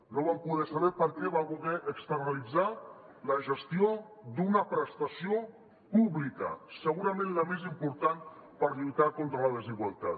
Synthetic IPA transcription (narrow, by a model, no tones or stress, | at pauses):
noβampuðɛsaβɛɾpəɾkɛβaβuɣɛʔəkst̪ərnəlid͡za | ləʒəst̪io | d̪unəpɾəst̪asio | puβlikə̰səɣ̞uɾəmẽnləmezimpuɾt̪anpəɾʎut̪akont̪ɾələðəziɣwalˠt̪a̰t̪